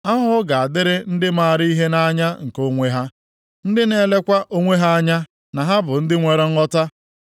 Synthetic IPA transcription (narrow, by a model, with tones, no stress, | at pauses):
a˦ɦʊ˦ɡa˨a˨dɪ˦ɾɪ˦n̩˦dɪ˦maː˦˨ɾi˦ɦe˦na˦ɲa˦ŋ̩˨ko˦ŋʷe˦ɦa˦ | n̩˦dɪ˦ne˦le˦kʷa˦ʔo˦ŋʷe˦ɦa˦a˦ɲa˦ | na˨ɦa˦bʊ˨n̩˦dɪ˦ŋʷe˨ɾe˦ŋ̩˦ɔ˦ta˦